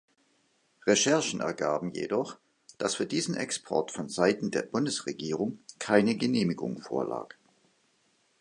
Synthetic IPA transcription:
ʁeʃɛɐʃn̩ʔɛ̰ɐɡaːbm̩jḛdɔχ | d̥asfyːɐdiːzn̩ʔɛ̰kspʰɔ̰ɐtfɔnzaɪtn̩deːɐbʊndəsʁeɡiːʁ̞ʊŋkʰaɪnəɡəneːmɪɡʊ̰ŋfo̰ːɐla̰ːk

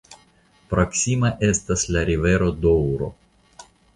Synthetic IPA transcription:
pɾɐksʲimɐʔɛst̪ɐsʲlʲɐɾʲiʋɛɾod̪ɔwɾɔ̰

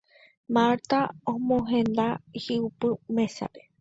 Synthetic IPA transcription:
maɾt̪aõmõɦẽnd̪ahiupɨmẽsa̰pe

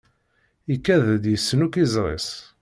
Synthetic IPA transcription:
ikːæðd̪jəsːnukizˤɾˤḛs

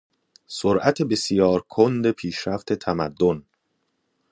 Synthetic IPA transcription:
soɾʔæt̪ʰebe̞sjɒːɾkʰond̪e̞pʰiːʃɾæft̪ʰe̞t̪ʰæmæd̪ːon

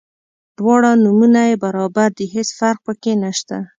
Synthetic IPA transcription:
ɖ̪̥wɑɽanumunajebaɾɑbaɾd̪əɦesfaɾq̚pəkenaʃt̪a

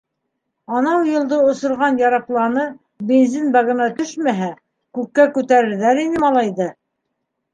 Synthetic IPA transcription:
ɑnɑwjɤ̆lˠd̪ɤŏsŏɾʁɑnjɑɾɑplˠɑnɤ | benzinbɑɣɤ̆nɑt̪ɵʃmæɦæ | kʉkːækʉt̪æɾɘ̆ɾðæɾinɘmɑlˠɑjðɤ

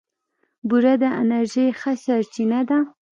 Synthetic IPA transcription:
buɾad̪əanaɾʒejxaɕaɾt͡ʃinad̪a

